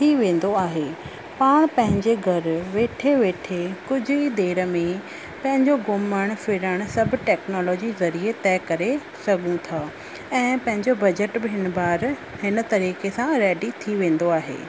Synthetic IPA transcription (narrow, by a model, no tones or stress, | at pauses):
t̪ʰiʋẽːn̆d̪oaːɦeː | paːɽ̃pɐ̃ɦɪ̃ɲd͡ʑeɡʱɐɾʋeːʈʰeʋeːʈʰekʊd͡ʑʱʊid̪eːɾəmẽ | pɐ̃ɦɪ̃ɲd͡ʑoɡʊməɽ̃fɪɾəɽ̃sɐbʱʈɛːknɔːlɔːd͡ʑizɐɾiet̪ɛːkɐɾe | sɐɡũt̪ʰaː | ɛ̃ːpɐ̃ɦɪ̃ɲd͡ʑobɐd͡ʑəʈbɪɦɪnbaːɾ | ɦɪnət̪ɐɾiːkesãɾɛːɖit̪ʰiʋẽːn̆d̪oaːɦḛː